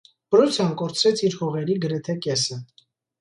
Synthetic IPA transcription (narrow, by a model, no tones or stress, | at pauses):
b̥əɾɔt͡sʰjɑnkɔɾt͡sʰɾɛt͡sʰiɾhɔʁɛɾiɡəɾɛt̪ʰɛkɛsə